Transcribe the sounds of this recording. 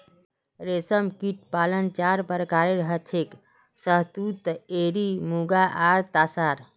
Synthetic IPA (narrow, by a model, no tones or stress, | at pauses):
ɾesəmkiʈ̚palənt͡ʃaɾpəɾkaɾeɾəɦət͡ʃʰek | səɦt̪ut̪eɾimuɡaʔaɾt̪asaɾ